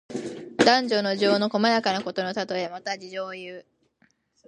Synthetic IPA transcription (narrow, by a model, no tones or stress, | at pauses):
d̪̥ãɲ̟d͡ʑo̞no̞ʑo̞ːno̞ko̞majakanako̞t̪o̞no̞t̪at̪o̞e̞mat̪ad͡ʑiʑo̞ːjɯː